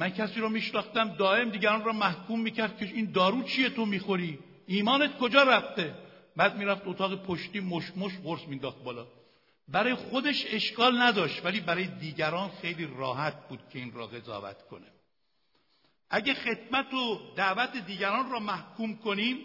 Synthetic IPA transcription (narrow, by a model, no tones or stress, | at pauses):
mæncʰæsiːɾɔːmiːʃnɒːxt̪æmd̪ɒːʔe̞md̪iːɟæɾɒːnrɒːmæhkʰuːmːiːcʰæɾd̪̚kʰeind̪ɒːɾuːt͡ʃʰije̞t̪ʰomiːxo̞ɾiː | ʔiːmɒːne̞t̪kʰo̞d͡ʒɒːɾæft̪e̞ | bæːd̪̚miːɾæft̪ot̪ʰɒːɣepʰoʃt̪iːmoʃmoʃʁoɾsmiːnd̪ɒːxt̪̚bɒːlɒː | bæɾɒːjexo̞d̪e̞ʃe̞ʃkʰɒːlnæd̪ɒːʃt̪væliːbæɾɒːjed̪iːɟæɾɒːnxe̞jliːrɒ̰ːhæt̪̚ʰbuːd̪̥̚cʰe̞iːnɾɔ̰ːɣe̞zɒ̰ːvæ̰t̪kʰo̞̰ne | ʔæɟexe̞t̪mæt̪ʰod̪æʔvæt̪ʰe̞d̪iːɟæɾɒːnrɒːmæhkʰuːmkʰo̞niːm